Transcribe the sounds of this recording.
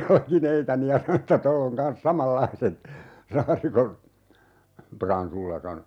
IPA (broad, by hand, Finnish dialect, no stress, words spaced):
jɑlkineitɑni jɑ sɑno etːæ tolː oŋ kɑns sɑmɑlːɑiset sɑːrikon prɑnsulːɑ sɑno